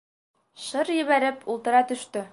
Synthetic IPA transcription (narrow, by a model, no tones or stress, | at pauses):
ʃɤɾjɘ̆βæɾɘpulˠt̪ɤ̆ɾɑt̪ɵ̆ʃt̪ɵ